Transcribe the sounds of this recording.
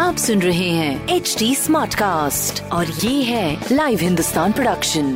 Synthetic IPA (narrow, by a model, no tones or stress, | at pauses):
aːpsʊnɾɐɦeɦɛ̃ːeːt͡ʃʈiːsmaːɾʈkaːsʈɔːɾjeːɦɛ̃laːɪʋɦɪ̃nd̪ʊst̪aːnpɾoɖɐkʃə̃n